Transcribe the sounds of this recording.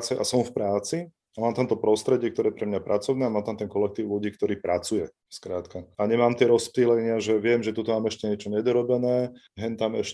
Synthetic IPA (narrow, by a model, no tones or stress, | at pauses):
t͡sɛʔasɔmfpɾaːt͡si | amaːmt̪amt̪ɔpɾɔst̪ɾɛɟɪɛkt̪ɔɾɛːjɛpɾɛmɲapɾʔat͡sɔʊnɛːamaːmt̪amt̪ɛnkɔlɛk̚t̪iːʊluɟiːk̚t̪ɔɾiːpɾʔat͡sujɛ | skɾaːt̪kaaɲɛmaːmt̪ɪɛɾɔspiːlɛɲɪaʒɛʋɪɛmʒɛt̪ut̪ɔmaːmɛʃcɛɲɛt͡ʃɔɲɛd̪ɔɾɔbɛnɛː | ɦɛnt̪amɛʃɛ